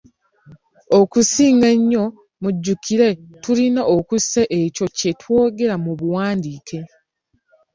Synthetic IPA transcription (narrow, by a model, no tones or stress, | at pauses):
okusiːŋɡeɲːo̞ | muɟːukiɾe̞tulinaokuseʔeco̞ce̞tʰwo̞ːɡe̞ɾamuβuwaːndiːkʰe